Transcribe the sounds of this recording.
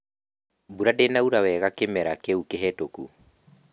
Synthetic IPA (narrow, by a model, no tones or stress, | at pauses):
buɾadenauɾawɛɣakemɛɾakeukeɦɛtoku